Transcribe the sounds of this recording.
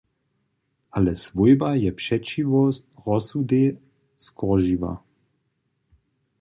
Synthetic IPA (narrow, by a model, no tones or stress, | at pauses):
alɛsvojbajɛpʃɛt͡ʃivɔ | ʁɔsud̪e | skʰɔʒiʋa̰